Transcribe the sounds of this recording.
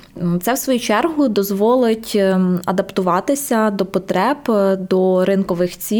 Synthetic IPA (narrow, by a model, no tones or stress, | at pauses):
t̪sɛwsʋɔjut͡ʃɛrɦʊd̪ɔzʋɔlˠɪtʲɐd̪ɐpt̪ʊʋɑt̪ɪsʲɐd̪ɔpɔt̪ɾɛbd̪ɔɾɪnkɔʋɪxt͡sʲi